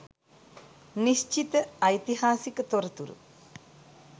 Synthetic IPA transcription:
nist͡ʃit̪əɐjt̪iɦaːsikət̪oɾɐt̪uɾṵ

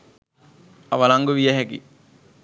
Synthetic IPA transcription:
aʋalaŋɡuʋijəɦɛkḭ

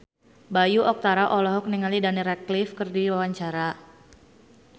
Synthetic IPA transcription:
bajuʔɔk̚t̪aɾaʔɔlɔɦɔk̚niŋalidaniɾɛklifkɨrdiwawaɲt͡ʃaɾa

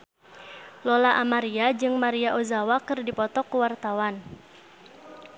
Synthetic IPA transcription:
lolaʔamaɾiad͡ʒɨŋmaɾiaʔozawakɨrdipɔt̪ɔkuwart̪awan

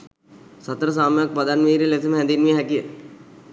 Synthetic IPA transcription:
sat̪ɾəs̬aːmujak̚pad̪anʋiːɾileseməɦɛ̃nd̪inʋiɦɛkijə

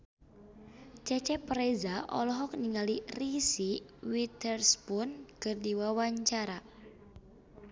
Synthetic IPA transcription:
t͡ʃɛt͡ʃɛpɾɛzaʔɔ̰lɔɦɔk̚niŋalirisiwit̪ərspʊnkɨrdiwawaɲt͡ʃaɾa

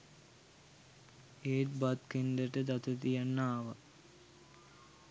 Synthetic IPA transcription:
eːt̪bat̪kend̪əʈəd̪at̪ət̪ijanːaːʋa

